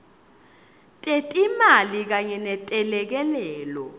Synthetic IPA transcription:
tʼetʼimalik̬aɲɛnɛtʼɛlɛk̬ɛlɛːlɔ̰

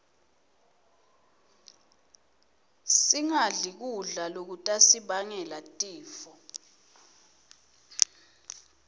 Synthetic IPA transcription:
siŋaɮik̬uɮalok̬utʼasiɓaŋɛlatʼiːfɔ

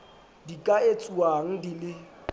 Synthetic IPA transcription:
dikʼaet͡sʼuaŋ̩dilɪ

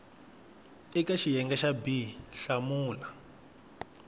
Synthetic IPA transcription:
ikaʃijɛŋɡaʃabiɬamuːla

